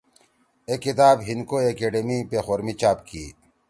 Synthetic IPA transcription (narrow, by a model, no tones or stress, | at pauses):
ekːit̪aːbɦinkoekeːɖemipexoːɾmit͡ɕaːpkiː